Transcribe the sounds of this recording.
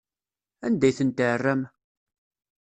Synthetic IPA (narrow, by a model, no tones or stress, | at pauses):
ænd̪æjθənt̪əʕrːæm